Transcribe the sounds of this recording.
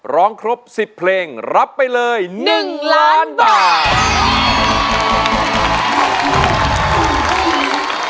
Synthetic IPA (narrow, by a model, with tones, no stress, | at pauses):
ɾɔː˦˥ŋkʰɾo˦˥p̚si˨˩pʰːleː˧ŋɾa˦˥pːa˧jlɤː˧jnɯ˨˩ŋlaː˦˥nbaː˨˩˨t